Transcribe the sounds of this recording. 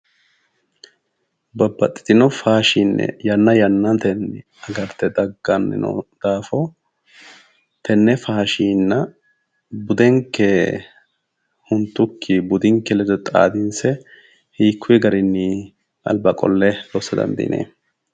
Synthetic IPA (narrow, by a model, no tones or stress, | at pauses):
bɐbːɐt̪ʼːɪ̥t̪ɪnɔfaːʃinːɛ̰jɐnːɐjɐnːɐt̪ɛnːɪ | ɐɡɐɾt̪ːɛd̪ɐɡːɐnːɪ̰nɔ̰d̪̥aːfɔ | t̪ʰɛnːɛfaːʃiːnːɐ | bʊd̪ɛŋkːe | hʊnt̪ːʊkʰːɪbʊd̪ɪŋkːɛlɛd̪ɔt̪ʼa̰ːd̪ɪnsɛ | hiːkʰːʊjɛɡɐɾɪnːɪ | ʔɐ̰lbɐkʼɔ̰lːɛd̪oːsːɐd̪ɐ̰nd̪ḭːnʔḛː